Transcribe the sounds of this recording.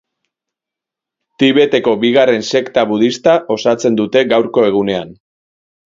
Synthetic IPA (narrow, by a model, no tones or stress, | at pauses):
t̪iβe̞t̪e̞ko̞biɣ̞are̞nse̞kt̪aβuð̞ist̪aʔo̞sat͡se̞nd̪ut̪e̞ɣawɾko̞e̞ɣ̞une̞an